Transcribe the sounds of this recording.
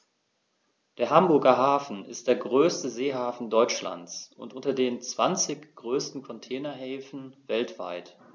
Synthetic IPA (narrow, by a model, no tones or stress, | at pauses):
d̥eːɐɦambʊɐɡɐɦaːfn̩ɪ̰std̥eːɐɡʁøːstəzeːɦaːfn̩dɔʏt͡ʃla̰nt͡sʔʊ̰ntʔʊntɐdeːnt͡sv̥ant͡sɪçɡ̥ʁøːstn̩kʰɔntʰɛːnɐɦɛːfn̩vɛltv̥a̰ɪt